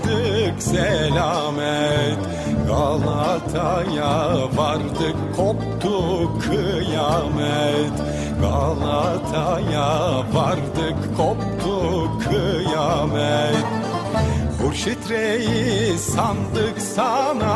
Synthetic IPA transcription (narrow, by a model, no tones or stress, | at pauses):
d̪ɯksɛlʲamɛt̪ | ɡalˠat̪ʰajavaɾd̪ɯkʰːopt̪ʰukʰːɯjamɛt̪ | ɡalˠat̪ʰajavaɾd̪ɯkkʰop̚t̪ʰukʰːɯjamɛt̪ | huɾʃit̪ɾejisand̪ɯksana